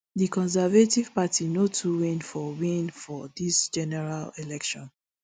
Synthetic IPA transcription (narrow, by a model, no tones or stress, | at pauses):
ðikɔ̃ns̬ɛvativ̥patʰinotʰuwenfɔwĩnfɔdisd͡ʒɛnɛɹalelɛkʃɔ̃n